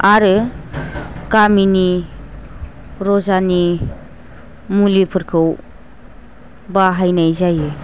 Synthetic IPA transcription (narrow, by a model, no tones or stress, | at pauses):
aɾɯ | kamini | ɾɔzani | mulipʰɯɾkʰɯw | baɦajnajzajɯ